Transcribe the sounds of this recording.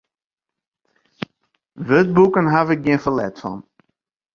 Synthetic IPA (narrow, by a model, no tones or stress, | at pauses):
ʋøt̚bukənɦavɪk̚ɡiəfəlɛ̰tfɔ̰n